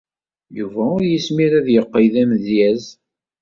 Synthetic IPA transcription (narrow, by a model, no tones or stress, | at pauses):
juvæʊɾjəsmiɾæðjəqːəjðæmðjæz